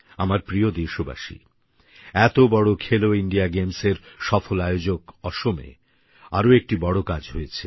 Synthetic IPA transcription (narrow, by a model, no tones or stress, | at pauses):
amaɾpɾiod̪eɾʃoba̰ʃḭ | ɛt̪obɔɽokʰeloiɳɖiaɡemseɾʃɔfolajod͡ʑokɔʃomḛ | a̰ɾoek̚ʈibɔɽokad͡ʑɦojet͡ɕʰe